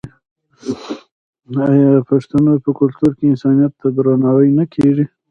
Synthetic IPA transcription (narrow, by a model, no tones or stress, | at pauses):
ajɑpaʂt̪anojpəkʊlt̪uɾkeɪnsɑnijat̪ːad̪ɾanɑwəjnakʰeʐi